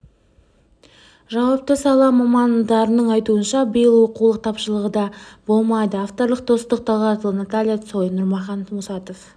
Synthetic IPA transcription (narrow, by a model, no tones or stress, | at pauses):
ʒɑwɑp̚t̪əsɑlˠɑmɑmɑnd̪ɑɾənəɴɑjt̪uənʃɑbəjəlˠwo̞qulˠəq̚t̪ʰɑpʃəlˠəʁəd̪ɑbo̞lˠmɑjd̪əɑft̪o̞ɾlˠəq̚d̪̥o̞st̪əq̚t̪ʰɑlˠʁɑɾt̪əlˠənat̪alʲijaso̞jnʊɾmɑχɑnmʊsɑt̪o̞f